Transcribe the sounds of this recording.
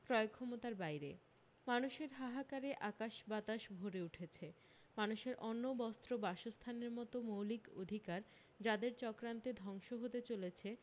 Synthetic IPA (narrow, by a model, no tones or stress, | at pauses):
pɾɔeokʰːɔmot̪aɾbajɾe | manuʃeɾɦaɦakaɾeʔakaʃbat̪aʃbʱoɾeuʈʰet͡ɕʰe | manuʃeɾʔɔnːobɔst̪ɾobaʃost̪ʰaneɾmɔt̪omowliko̰d̪ʱikaɾ | d͡ʑad̪eɾt͡ɕɔkɾant̪ed̪ʱɔŋʃoɦot̪et͡ɕolet͡ɕʰe